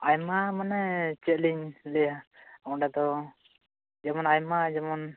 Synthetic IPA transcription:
ajmamanɛt͡ʃɛliɲlɛjaaɔɖad̪ɔ | d͡ʒamɔnajmad͡ʒamɔn

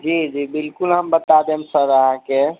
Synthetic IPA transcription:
d͡ʒid͡ʒibilkulɦəmbət̪ad̪emsəɾəɦãke

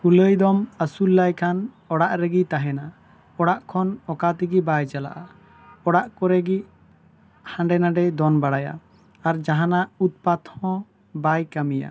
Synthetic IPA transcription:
kuləjd̪ɔməsulːajkʰan | ɔɽaʔɾɛɡit̪aɦɛna | ɔɽaʔkʰɔnɔkat̪iɡibajd͡ʒala̰ʔa | ɔɽaʔkɔɾɛɡiʔ | hãɳɖɛnaɖɛd̪ɔnbaɽaja̰ | aɾd͡ʒaɦanaʔut̪̚pat̪hɔ̃ | bajkamija̰

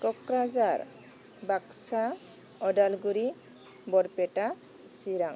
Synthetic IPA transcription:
kɔkɾazaɾ | baksa | ɔɖalɡuɾi | bɔɾpeʈa | siɾaŋ

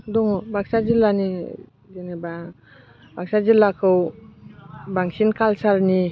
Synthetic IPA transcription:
dɔŋɔbaksazilani | deneba | baksazilakʰɯw | baŋsinkʰalsalni

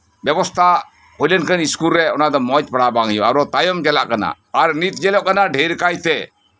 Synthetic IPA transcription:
bjɛbɔst̪ʰa | hojlɛnkəniskulɾɛɔnad̪ɔmɔt͡ʃpaɽabaŋijɔaɾɔt̪ajɔmd͡ʒɛlaʔkana̰ːɾnit̪d͡ʒɛlɔʔkanaɖʱejɾkajt̪ɛ

